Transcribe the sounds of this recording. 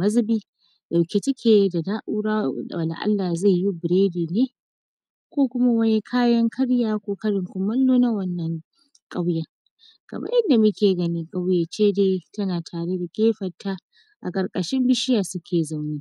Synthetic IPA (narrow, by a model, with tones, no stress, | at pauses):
mɐ˦zɪ˦biː˦ | da˨wkʲe˦tɪ˦kʲʰeː˨da˨daː˦ʔuː˦ɽa̰ː˦˨a˨la̰˨ʔa̰˦lːa˨za˦˨jji˦bɪ˨ɾeː˦diː˨neː˦ | kʷoː˦kʷʊ˦ma˦wɐ˦ne˦kʰaː˦jɐ˦ŋkʰɐ˦ɽjaː˦kʷoː˦kɐ˦ɽɪ˨ŋkʷʊ˨mɐ˦lːoː˦na˦wɐ˦nːɐ˨ŋ | kʼa˦wja˨ | ɡ̥ɐ̰˨bɐ̰˦ʔɐ˦nda˨mʊ˦kʲeː˨ɡɐ˨nɪ˦ŋkʼa˦wjaː˨t͡ʃeː˦deː˦tɐ˦naː˨tʰaː˨ɽe˦da˨kʲʼeː˦ɸɐ˨tːa˦ | ʔa̰˨kʼɐ˨ɾkʼɐ˨ʃɪ˦mbɪ˦ʃɪ˦jaː˨sʊ˦kʲʰeː˨za˦˨wniː˦